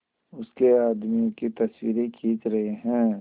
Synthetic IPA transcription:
ʊskeaːd̪mikit̪ɐswiːɾekʰiːt̪ɾɐɦeɦɛ̃ː

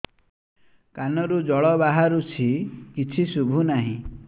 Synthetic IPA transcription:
kanɔɾud͡ʒɔɭɔβaɦaɾut͡ʃʰikit͡ʃʰisubʱunaɦḭ̃

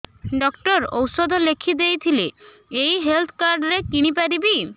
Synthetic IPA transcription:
ɖɔkʈɔɾo̰wsod̪ʱɔlekʰid̪ejt̪ʰile | ejɦelt̪ʰkaɾɖɾekiɽ̃ipaɾibi

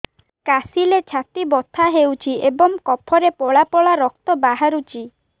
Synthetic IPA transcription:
kasilet͡ʃʰat̪ibɔt̪ʰaɦewt͡ʃʰiebɔŋkɔpʰɔɾepɔɭapɔɭaɾɔk̚t̪ɔbaɦaɾut͡ʃʰi

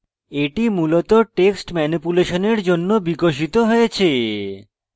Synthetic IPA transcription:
eʈimulot̪oʈeksʈmɛnipuleʃoneɾd͡ʑonːobikoʃ̬it̪oɦojet͡ɕʰe

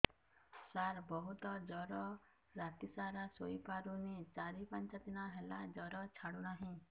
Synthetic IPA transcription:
saɾbɔɦut̪ɔd͡ʒɔɾɔ | ɾat̪isaɾasojpaɾunit͡ʃaɾipant͡ʃat̪inaɦelad͡ʒɔɾɔt͡ʃʰaɽunaɦĩ

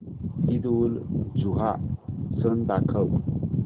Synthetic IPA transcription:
id̪uld͡zuɦasənd̪akʰəw

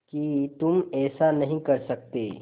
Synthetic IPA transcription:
kit̪ʊmɛːsanɐɦĩkɐɾsɐk̚t̪eː

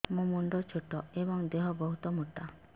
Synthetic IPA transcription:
mũmuɳɖɔt͡ʃʰoʈɔebɔŋd̪eɦɔbɔɦut̪ɔmuʈːa

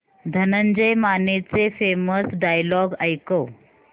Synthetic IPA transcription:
d̪ʱənənd͡ʑəjmanet͡sefeməsɖajlɔɡəjkəw

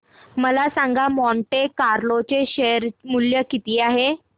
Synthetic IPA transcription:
məlasãŋɡamɔɳʈekaɾlot͡ɕeɕejəɾmuljəkit̪iːaɦe

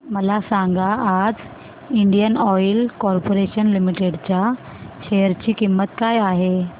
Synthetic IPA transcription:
məlasãŋɡaːd͡z | iɳɖijənɔjlkɔɾpoɾeɕənlimiʈeɽt͡ɕja | ɕejəɾt͡ɕiːkimːət̪kajaɦe

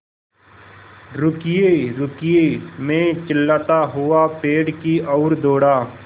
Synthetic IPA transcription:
ɾʊkijeɾʊkɪjemẽt͡ʃəlːat̪aɦʊapeːɖkiɔːɾd̪oːɽaː

